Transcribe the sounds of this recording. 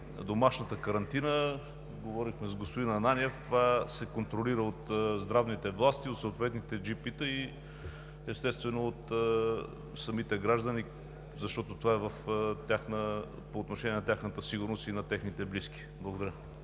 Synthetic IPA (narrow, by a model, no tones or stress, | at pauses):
d̪omaʃnət̪əkəɾɐnt̪inə | ɡovɔɾixmɛzɡospod̪inɐnaniɛft̪ovasɛkont̪ɾoliɾəot̪zd̪ɾavnit̪ɛvlˠast̪iot̪soːt̪vɛt̪nit̪ɛd͡ʒipit̪əi | ɛst̪ɛst̪vɛnoːt̪ | sɐmit̪ɛɡɾaʒd̪əni | zɐʃt̪ɔt̪ot̪ovaɛvəft̪ʲjaxnə | poːt̪noʃɛnʲɛnɐt̪ʲjaxnət̪əsiɡʊɾnosinɐt̪ɛxnit̪ɛbliski̥blˠəɡod̪ɐɾjə